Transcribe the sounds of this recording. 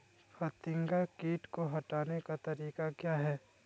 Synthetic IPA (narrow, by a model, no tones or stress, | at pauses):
fɐt̪ɪ̃ŋɡakiːʈkoɦɐʈaːnekat̪ɐɾiːkakjaːɦɛː